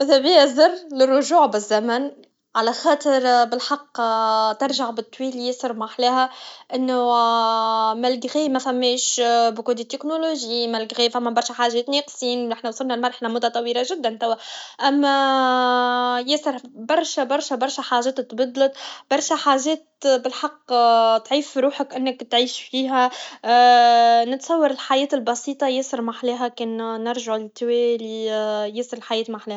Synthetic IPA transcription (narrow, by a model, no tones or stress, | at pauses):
ʔɪðæbiæzɑrˤːlɪrˤːʊʒuːʕbɪzːæmæn | ʕalæxɑːt̪ˤəɾbɪlħɑqːt̪ɑɾˤʒaʕbɪt̪ˤːwiːljɪsɑɾˤmaħlæːhæʔɪnːʊ | mælɡɣiːmæfæmːɛːʃbkuːd̪it̪ːɪknoloʒimælɡɣiːfæmːæbɑɾˤʃæħaːʒɛːt̪nɛːqsˤiːnʔɪħnæwsˤʊlnælmɑɾˤʔħlæmʊt̪ɑt̪ˤɑwiːlaʒɪd̪ːænt̪æwːæʔæmːa | jɪsɑɾbɑɾˤʃabɑɾˤʃabɑɾˤʃaħaːʒeːt̪t̪bɑd̪ˤlɑt̪b̥ɑɾˤʃaħaːʒeːt̪bɪlħɑqːt̪ʕiːfɾuːħakʔɪnːɪkt̪ʕiːʃfiːɦæ | nɪt̪sˤɑwːɑɾɪlħajeːt̪ɪlbɑsiːt̪ˤɑjɪsɪɾmaħleːɦakeːnnɪɾˤʒaʕlɪt̪ːwelijɪsɨɾɪlħajeːt̪maħleːha